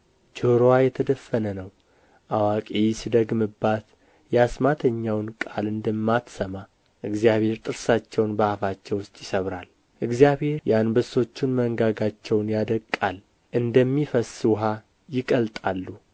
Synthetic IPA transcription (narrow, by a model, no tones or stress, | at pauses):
d͡ʒoɾowajɛt̪ʰəd̪əfːənənəw | ʔawakʼijsid̪əɡmɨbːat̪ | jɛasmat̪ʰəɲːawnkʼalɨnd̪əmːat̪səma | ʔɨɡzijaβhe̞ɾt̪ʼɨɾsat͡ʃːɛwnbəhafat͡ʃːɛwʊst̪ʼjɪsəβɾal | ʔɨɡzijaβhe̞ɾjɛanbəso̞t͡ʃːɪnməŋɡaɡat͡ʃːɛwnjad̪əkʼːal | ʔɨnd̪əmːifəswʊɦa | jɪkʼəlt̪ʼalːu